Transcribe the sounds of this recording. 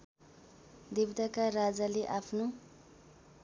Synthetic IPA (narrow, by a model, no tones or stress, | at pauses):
d̪ibd̪akarad͡zaleʔapʰno